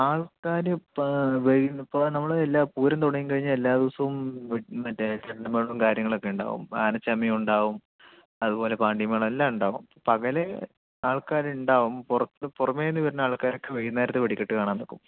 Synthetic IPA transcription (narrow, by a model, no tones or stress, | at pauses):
aːɭkaːɾɨʋejnipːoːnɐmːɐɭelːaːpuːɾɐnt̪oɳɐjimkɐɻiɲːɐelːaːðiʋɐsɐʋumɐtːt͡ɕːɐʈːɐmeːɭumkaːɾjɐŋːɐɭo̞kːe̞uɳɖa̰ːʋṵma̰ːnɐt͡ɕːɐmːiuɳɖaːʋum | ɐðupo̞ːle̞paːɳɖimɐːɭɐelːaːmuɳɖaːʋum | pɐɣɐle | aːɭkaːɾuɳɖaːʋumpurɐt̪ːpurɐmːeːnːiʋɐɾɐnaːɭkaːɾo̞kːeʋejunɐaːjɾɐt̪ːeʋɐɽikʲːeʈːɨkaːɳaːnːokːṵm